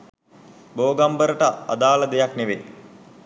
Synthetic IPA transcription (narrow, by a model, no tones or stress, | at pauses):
boːɡambəɾəʈəa̰d̪aːləd̪ejakneʋe